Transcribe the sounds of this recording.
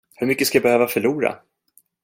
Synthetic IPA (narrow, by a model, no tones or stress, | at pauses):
hɵɾmʏkːəskajabɛhøːvafœɭuːɾa̰